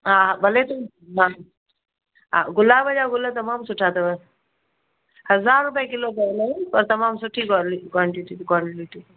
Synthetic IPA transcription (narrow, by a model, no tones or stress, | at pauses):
ɦãːabɐlet̪u | ɦa | ɦa̰ːɡʊlabəd͡ʒaɡʊlat̪̬ɐmaːmsʊʈʰat̪ɐbə | hɐzaːɾːʊp̬jak̬ɪlopalapɐɾt̪ɐmaːmsʊʈʰikːlikwaːɳʈiʈikwaːɳiʈi